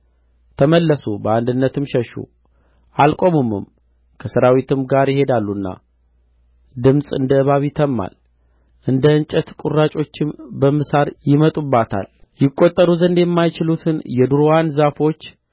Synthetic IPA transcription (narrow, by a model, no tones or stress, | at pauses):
t̪ʰəməlːəsubəand̪ɨnːət̪ʰɨmʃɛʃṵ | ʔalkʼo̞mɨmːɨ̰m | kʰəsɨɾawit̪ʰɨmɡaɾjɪhe̞d̪alːunːa̰ | d̪ɨmsʼɨ̰nd̪əɨβaβit̪ʰəmːa̰l | ʔɨnd̪əɨnt͡ʃʼət̪kʼurːat͡ʃʼo̞t͡ʃːɪmbəmɨsaɾjɪmət̪ʼubːat̪ʰa̰ljɪkʼːo̞t̪ʼːəɾuzənd̪jɛmːajt͡ʃɪlut̪ʰɨnjɛd̪uɾowanzafo̞t͡ʃː